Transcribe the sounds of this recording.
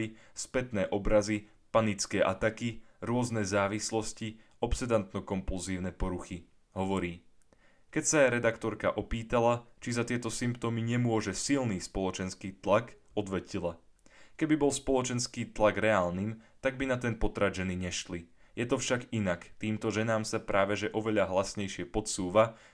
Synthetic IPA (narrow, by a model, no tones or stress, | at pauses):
ispɛt̪nɛːʔɔbɾazi | panit͡skɛːʔat̪akiɾʊɔznɛːzaːʋislɔsci | ɔpsɛd̪ant̪nɔkɔmpulziːʊnɛpɔɾuxi | ɦɔʋɔɾiː | kɛcsaɾɛd̪akt̪ɔɾka̰ʔɔpiːt̪alat͡ʃizat̪ɪɛt̪ɔsimpt̪ɔmiɲɛmʊɔʒɛsilniːspɔlɔt͡ʃɛnskiːt̪lak | ɔd̪ʋɛcilakɛbibɔlspɔlɔt͡ʃɛnskiːt̪laɡɾɛaːlniːmt̪aɡ̚binat̪ɛnpɔt̪ɾaʒɛniɲɛʃli | jɛt̪ɔfʃaɡinakt̪iːmt̪ɔʒɛnaːmsapɾaːʋɛʒɛʔɔʋɛʎaɦlasɲɛjʃɪɛpɔt̪suːʋa